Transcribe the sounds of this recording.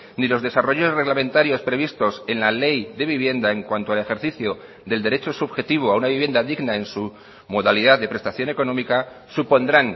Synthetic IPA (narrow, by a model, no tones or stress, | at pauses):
nilo̞zðe̞saro̞ʝo̞sre̞ɣlamẽ̞nt̪aɾjo̞spɾe̞βist̪o̞se̞nlale̞jðe̞βiβje̞nd̪ae̞ŋkwant̪oale̞xe̞ɾθiθjo | ðe̞ld̪e̞ɾet͡ʃo̞suβxe̞t̪iβ̞oaunaβiβje̞nd̪aðiɣnae̞nsu | mo̞ðaliðaððe̞pɾe̞st̪aθjo̞ne̞ko̞nõ̞mika | supo̞nd̪ɾan